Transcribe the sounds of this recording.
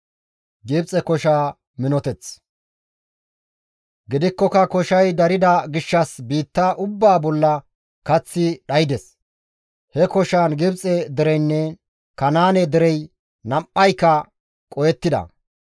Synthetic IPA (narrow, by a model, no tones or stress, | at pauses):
ɡɪbt͡sʼɛkɔʃaː | mɪnɔt̪ɛt͡s | ɡɪd̪ɪkːɔkɐkɔʃɐjd̪ɐɾɪd̪ɐɡɪʃːɐsbiːt̪ːɐʔʊbːaːbɔlːɐ | kɐt͡sːɪɗɐjd̪ɛs | hɛkɔʃaːnɡɪbt͡sʼɛd̪ɪɾɛjnːɛ | kɐnaːnɛd̪ɪɾɛj | nɐmpːɐjkːɐ | kʼɔjɛt̪ːɪd̪ɐ̰